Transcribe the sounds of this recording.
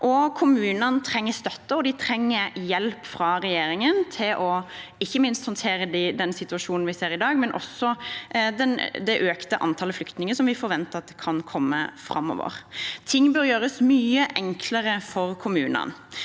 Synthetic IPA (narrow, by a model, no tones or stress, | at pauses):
ʔɔkʰʊmʉːnɑnt̪ʰɾɛŋːəst̪œt̪ːəɔd̪ɪt̪ʰɾɛŋːəɾjɛlpfɾɑɾɛjeːɾɪŋənt̪ʰɪlʔɔɪçːəmɪnst̪hɑnt̪ʰeːɾəd̪ɪd̪ɛnsɪt̪ʉɑʂuːnn̩ʋɪseːɾɪd̪ɑːɡmɛnʔɔ̰sɔd̪ɛnd̪ɛʔøːkt̪əʔɑ̰nt̪ʰɑləflʏkt̪nɪŋəsɔmʋɪfɔɾʋɛnt̪əɾɑt̪̚d̪ɛkʰɑnkʰɔmːə̰fɾɑ̰mːɔ̰ʋə̰ɾt̪ʰɪŋːbœɾjøːɾəsmyːəʔɛŋkʰləɾəfɔɾkʰʊmʉːnə̰n